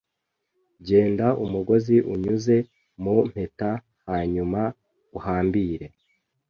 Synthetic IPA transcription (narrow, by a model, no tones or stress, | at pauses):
ɟe̞ːndaumuɡo̞ziʔuɲuze̞ | mum̥e̞ta | haːɲuma | uhaːmbiːɾe̞